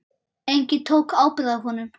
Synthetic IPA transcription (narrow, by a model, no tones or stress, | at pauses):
ejɲcɪt̪ʰowkaːwpɪðaɦɔnʏm